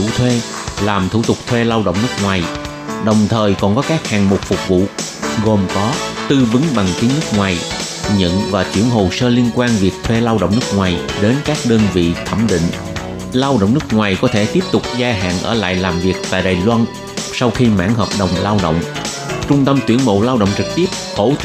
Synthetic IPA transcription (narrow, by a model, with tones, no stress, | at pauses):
ṵ˧˥t̪ʰwe˧ | laː˨˩mt̪ʰu˧˩t̪ʊ˨˩k͡p̚t̪ʰwe˧laː˧wɗə̰˧˨wŋ͡mnɨ˦˥ək̚ŋwaː˨˩j | ɗə˨˩wŋ͡mt̪ʰəː˨˩jkɔ˨˩nkɔ˨˦kaː˦˥k̚haː˨˩ŋmʊ˨˩k͡p̚fʊ˨˩k͡p̚vṵ˧˨ | ɣo˨˩mkɔ˨˦t̪ɨ˧vɨ˨˦ŋɓa˨˩ŋk̪i˨˦ənɨ˦˥k̚ŋwaː˨˩j | ɲə̰˧˨nvaː˨˩t͡ɕḭ˧˩əŋɦo˨˩səː˧li˧ənkwaː˧nvi˨˩ək̚t̪ʰwe˧laː˧wɗə̰˧˨wŋ͡mnɨ˦˥ək̚ŋwaː˨˩jɗe˨˦nkaː˦˥k̚ɗəː˧nvḭ˧˨t̪ʰə˧˩mɗḭ˧˨ŋ̟ | laː˧wɗə̰˧˨wŋ͡mnɨ˦˥ək̚ŋwaː˨˩jkɔ˨˦t̪ʰe˧˩t̪i˦˥əp̚t̪ʊ˨˩k͡p̚zaː˧ɦa̰ː˧˨nʔəː˧˩la̰ː˧˨jlaː˨˩mvi˨˩ək̚t̪a̰ː˨˩jɗaː˨˩jlwa˧n | sa˧wxi˧ma̰ː˧˥ŋhɦəː˨˩p̚ɗə˨˩wŋ͡mlaː˧wɗə̰˧˨wŋ͡m | t͡ɕʊ˧ŋ͡mt̪ə˧mt̪wi˧˩ənmo̰˧˨laː˧wɗə̰˧˨wŋ͡mt͡ɕɨ˨˩k̚t̪i˦˥əp̚xo˧˩